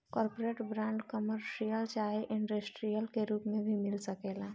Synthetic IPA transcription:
kɔːɾpoɾeʈbɾãɳɖkəməɾʃijəlt͡ʃaɦiʔɪɳɖəsʈɾijəlkeɾuːpmẽbʱimɪlsəkeːlã

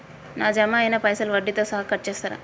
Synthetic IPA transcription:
naːd͡ʒɐmaenɐpɐjsɐlʋɐɖːit̪ɐsɐɦɐkɐʈ̚t͡ʃeːst̪ɐɾɐ̰

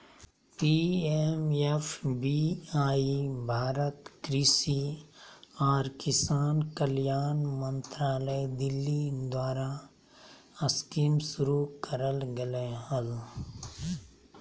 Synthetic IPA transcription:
piːemepʰbiːaːibʱaːɾət̪kɾiːsi | ɔːɾkɪsaːnkəljaːnmə̃nt̪ɾaːləjd̪ɪlːid̪waːɾa | əskiːmsʊɾukəɾəlɡəleɦəl

